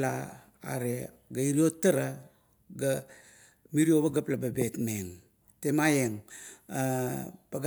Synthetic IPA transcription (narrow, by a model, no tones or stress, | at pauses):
la̰ː | ɾe | ɡaiɾiotːaɾa | ɡa | miɾioβaɡaplababetmeŋ | temajeŋapaɡ